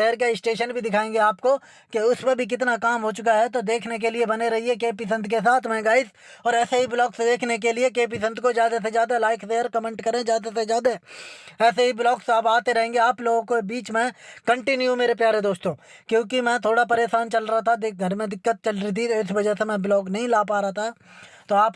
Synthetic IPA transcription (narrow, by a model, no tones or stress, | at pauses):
ʃɛːəɾk̬eɪsʈeːʃənbʱid̪ɪkʰaːẽːŋɡeaːpko | keʊspəbʱik̬ɪt̪nakaːmɦot͡ʃʊkaɦɛt̪od̪eːkʰnek̬eliebɐneɾɐɦiek̬eːpis̬ə̃nd̪ʱkes̬aːt̪ʰmɛ̃ɡaːɪz | ɔːɾɛːseɦiblɔːksd̪eːkʰnek̬eliek̬eːp̬is̬ə̃nd̪ʱkozjaːd̪as̬ezjaːd̪alaːɪkʰseːəɾkəmẽːɳʈkɐɾẽd͡ʒjaːd̪asezjaːd̪aɦɛɛːseɦiblɔːksaːpaːt̪eɾɐɦẽːŋɡeaːploːɡõkobiːt͡ʃmɛ̃kɐ̃ɳʈɪnjumeːɾepjaːɾed̪oːst̪õːkjõːkimɛ̃ːt̪ʰoːɽapɐɾeːʃaːnt͡ʃɐlɾaɦat̪ʰad̪ɡʱɐɾmẽd̪ɪkːət̪̚t͡ʃɐlɾit̪̬ʰiɪsʋɐd͡ʒɛɦsemɛ̃blɔːknɐɦĩlaːp̬aːɾaɦat̪ʰa | t̪oaːp